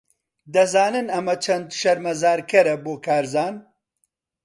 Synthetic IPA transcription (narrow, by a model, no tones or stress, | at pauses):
d̪ɐzaːnɨnɐmɐt͡ʃʰɐnd̪ʃɐɾmɐzaːɾkʰɐɾɐboːkʰaːɾzaːn